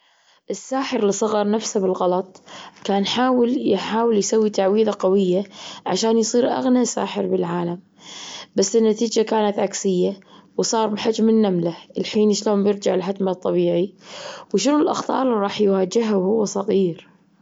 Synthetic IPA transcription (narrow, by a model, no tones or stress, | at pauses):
ʔɪsːaːħəɾlɪsˤɑɣɑɾˤnafsabɪlɣɑlɑt̪ˤkaːnħaːwɪljħaːwɪljsawːit̪aʕwiːðaqawɪjːaʕaʃaːnjsˤiːɾʔa̰ɣniasa̰ːħɪɾbɪlʕaːlam | basːɪnːat̪iːd͡ʒakaːnat̪ʕaksɪjːawsˤɑːɾˤbɪħad͡ʒmɪnːamlaɪlħiːnʃloːmbjɪɾd͡ʒaʕɪlħad̪mat̪ˤːɑβiːʕiwʃɪnʊlʔɑ̰xt̪ˤɑ̰ːɾˤɑːħjwaːd͡ʒɪɦawhʊwːasˤɑɣiːɾ